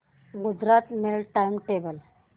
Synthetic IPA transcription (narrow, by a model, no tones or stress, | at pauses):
ɡud͡zɾat̪meɭʈajmʈebəl